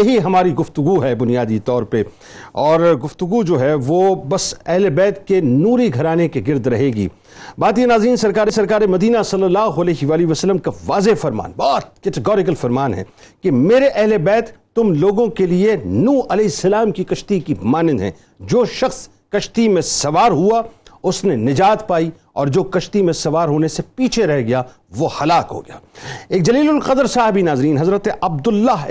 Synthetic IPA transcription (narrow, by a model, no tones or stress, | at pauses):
jɐɦiɦɐmaːɾiɡʊft̪ʊɡuɦɛbʊnijaːd̪it̪ɔːɾpe | ɔːɾɡʊft̪ʊɡud͡ʒoːɦɛʋoːbɐsɛɦlebɛːt̪kenuːɾiɡʱɐɾaːnekeɡɪɾd̪ɾɐɦeːɡḭː | baːt̪ijenaːzɾiːnsɐɾkaːɾesɐɾkaːɾemɐd̪iːnasɐlːɐlːaːɦoɐlɛːɦʋaːliʋɐsəlːəmkaʋaːzefɐɾma̰ːnbɔːt̪̚kɛʈɪɡɔːɾɪk̬əlfɐɾmaːnɦɛ̰kemeːɾeʔɛɦlebɛːt̪ːʊmloːɡõkelienũːʔɐlɛːsɐlaːmkikɐʃt̪ikimaːnɪd̪ɦɛ̰̃ː | d͡ʒoːʃɐxs | kɐʃt̪imẽsɐʋaːɾɦuaʊsnenɪd͡ʒaːt̪paːi | ɔ̰ːɾd͡ʒoːkɐʃt̪imẽsɐʋaːɾɦoːnesepiːt͡ʃʰeɾɛɦɡɐja | ʋohɐlaːkɦo̰ːɡɐjaːeːk̚d͡ʒɐliːlʊlqɐd̪əɾsaːɦɪbinaːzɾiːnɦɐzɾət̪eʔɐb̚d̪ʊlːaɦ